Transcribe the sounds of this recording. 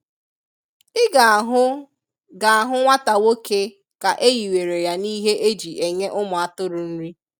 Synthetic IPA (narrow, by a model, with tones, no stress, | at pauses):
ɪ˦ɡa˨ɦʊ˦ | ɡa˨a˨ɦʊ˦ŋʷa˦ta˨wo˦ke˦ | ka˨ʔe˦ji˨we˨ɾe˨ja˨niː˦ɦe˦ʔe˦d͡ʒi˨ʔe˨ɲe˦ʔʊ˦mʊ˨a˦tʊ˦ɾʊ˨n̩˦ɾi˦